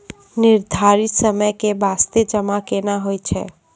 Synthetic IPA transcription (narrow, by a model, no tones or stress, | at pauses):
niɾd̪ʱaɾit̪səməjkebast̪ed͡ʒəmakenaɦojt͡ʃʰɛ̰